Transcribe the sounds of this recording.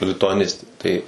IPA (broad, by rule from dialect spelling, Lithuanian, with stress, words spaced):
lʲɪtʊɐˈnʲɪsʲtʲeː ˈtɐɪ